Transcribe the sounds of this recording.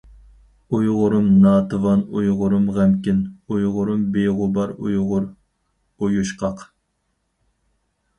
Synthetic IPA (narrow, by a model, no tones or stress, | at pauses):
ujʁʊɾumnɑːt̪ɨvɑnujʁʊɾumʁæmkʲinujʁʊɾumbeʁʊbɑɾṵjʁʊɾ | ujuʃqʰɑq